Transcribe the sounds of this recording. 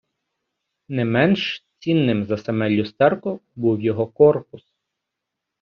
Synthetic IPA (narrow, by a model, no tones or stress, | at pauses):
nɛmɛnʃt͡sʲinːɪmzɐsemɛlʲːʊst̪ɛrkʊbuwjɔɦɔkɔrpʊs